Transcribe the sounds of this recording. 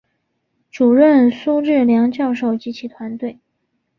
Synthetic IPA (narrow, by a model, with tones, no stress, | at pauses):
ʈ͡ʂu˨˩ɻə˥˩nsu˥ʈ͡ʂɻ̩˥˩ljɑ˧˥ŋt͡ɕjɑ˥˧ʊʂo˥˩ʊt͡ɕi˧˥t͡ɕʰi˧˥t̪ʰwa˧˥nt̪we˥˩ɪ